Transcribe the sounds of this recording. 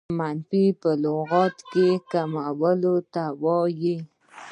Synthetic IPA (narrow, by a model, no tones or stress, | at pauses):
manfipəloɣɑt̪kekamawəlot̪awɑji